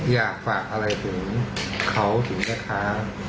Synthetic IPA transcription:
jaː˨˩k̚faː˨˩k̚ʔa˧ɾa˧jt̪ʰɯ˩˦ŋkʰa˦˥wt̪ʰɯ˩˦ŋnaː˦˥kʰa˦˥

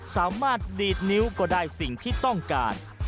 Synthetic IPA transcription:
saː˩˦maː˥˩t̪̚liː˨˩t̪̚ni˦˥wkɔː˥˧˩daː˥˩jsi˨˩ŋt̪ʰiː˥˩t̪ɔ˥˩ŋka̰ː˧n

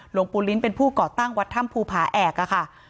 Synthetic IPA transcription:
lo˧ŋpuː˧li˦˥npe˧npʰuː˥˩kɔː˨˩t̪a˥˩ŋwa˦˥t̪ʰːa˦˥˩mpʰuː˧pʰaː˨˩˦ʔɛː˨˩k̚a˧˩kʰa˥˩

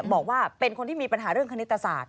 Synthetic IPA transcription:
bɔː˨˩k̚waː˥˩pe˧nkʰo˧nt̪ʰiː˥˩miː˧pa˧nɦaː˩˦ɾɯ˥˩əŋkʰa˧ni˦˥t̪ːa˧saː˨˩t̪̚

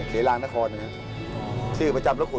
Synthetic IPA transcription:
kʰeː˩˦laː˧ŋna˦˥kʰɔː˧nːa˧na˦˥ | t͡ɕʰɯː˥˩pa˧t͡ɕa˧mɾa˦˥kʰu˨˩

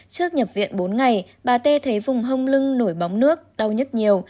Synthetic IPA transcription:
t͡ɕɨ˦˥ək̚ɲə˨˩p̚vḭ˧˨ənɓo˨˦nŋa˨˩j | ɓaː˨˩t̪e˧t̪ʰə˨˦jvʊ˨˩ŋ͡mɦə˧wŋ͡mlɨ˧ŋno˧˩jɓa˨˦wŋ͡mnɨ˦˥ək̚ɗa˧wɲə˦˥t̚ɲi˨˩əw

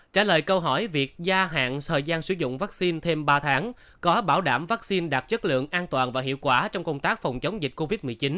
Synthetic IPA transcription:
t͡ɕaː˧˩ləː˨˩jkə˧wɦɔ˧˩jvi˨˩ək̚zaː˧ɦa̰ː˧˨nt̪ʰəː˨˩jzaː˧nsɨ̰˧˩zʊ̰˧˨ŋ͡mvaː˦˥k̚si˧nt̪ʰe˧mɓaː˧t̪ʰaː˨˦ŋ | kɔ˨˦ɓaː˧˩wɗaː˧˩mvaː˦˥k̚si˧nɗaː˨˩t̚t͡ɕə˦˥t̚lɨ̰˧˨əŋʔaː˧nt̪waː˨˩nvaː˨˩ɦḭ˧˨wkwaː˧˩t͡ɕɔ˧wŋ͡mkə˧wŋ͡mt̪aː˦˥k̚fa˨˩wŋ͡mt͡ɕə˨˦wŋ͡mzï˨˩k̟̚ko˧vi˦˥t̚mɨ˨˩əjt͡ɕi˨˦n

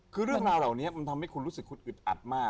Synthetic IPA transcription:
kʰɯː˧ɾɯ˥˩əŋɾaː˧wɾa˨˩wni˦˥ɐma˧nt̪ʰa˧mha˥˩jku˧nɾu˦˥sɯ˨˩kʰːu˦˥t̪̚ʔɯ˨˩t̪̚ʔa̰˨˩t̪̚maː˥˩

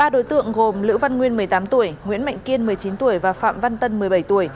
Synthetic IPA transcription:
ɓaː˧ɗo˨˦jt̪ɨ̰˧˨əŋɣo˨˩mlɨ̰˧˥wva˧nŋwi˧ənmɨ˨˩əjt̪aː˨˦mt̪u˧˩əjŋwḭ˧˥nma̰˧˨jŋ̟ki˧ənmɨ˨˩əjt͡ɕi˨˦nt̪u˧˩əjvaː˨˩fa̰ː˧˨mva˧nt̪ə˧nmɨ˨˩əjɓə˧˩jt̪u˧˩əj

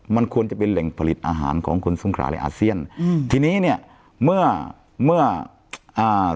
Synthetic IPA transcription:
ma˧˨nkʰu˧ənt͡ɕa˨˧˩pe˧nlɛ˨˩ŋpʰa˧li˨˩t̪̚ʔaː˧ɦa̰ː˨˩˦nkʰɔ̰ː˩˦ŋkʰo˧nso˧˦ŋkʰɾa̰ː˧˩lɛ̰˧˥ʔaː˧˩si˧˥˩ənt̪ʰiː˧niː˦˥˨ni˧˩ə | mɯ˧˥˩ɐ | mɯ˧˥˩ɐ | ʔaː˧˩

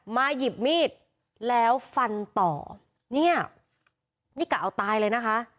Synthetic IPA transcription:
maː˧ji˨˩p̚miː˥˩t̪̚ | lɛː˦˥wfa˧nt̪ɔ̰ː˨˩ | ni˥˩ɐ | niː˥˩kaː˨˧˩ʔa˧wt̪aː˧jlɤː˧jna˦˥kʰa˦˥ʔ

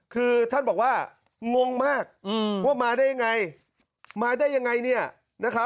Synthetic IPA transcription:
kʰɯː˧t̪ʰa˥˩nbɔː˨˩k̚waː˥˩ | ŋo˧ŋmaː˥˩k̚ːwaː˥˩maː˧daː˥˩ja˧ŋa˧j | maː˧daː˥˩jːa˧ŋa˧jni˥˩ɐ | na˦˥kʰɾa˦˥p̚

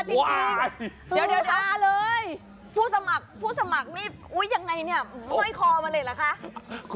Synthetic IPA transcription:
a˧˩t̪i˧i˧ | a˨˧˩da˧aː˧˩lɤː˧j | pʰuː˥˩sa˧ma˨˩k̚pʰuː˥˩sa˧ma˨˩k̚niː˥˩ | ʔu˦˥jːa˧ŋːa˧jni˥˩ɐma˧˦ma˥˩jkʰɔː˧ma˧lɤː˧jla˨˦˩kʰa˦˥ʔ

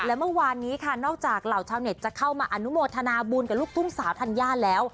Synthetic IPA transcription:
lɛː˦˥wmɯ˥˩˨waː˧nːiː˦˥kʰa˥˩nɔː˥˩k̚t͡ɕaː˨˩k̚la˨˩wt͡ɕʰaː˧wne˨˩t̪̚t͡ɕa˨˩kʰa˥˩wmaː˧ʔa˧nu˦˥moː˧t̪ʰa˧naː˧buː˧nka˨˩luː˥˩t̪ʰu˥˩ŋsaː˩˦wt̪ʰa˧njaː˥˩lɛː˦˥w

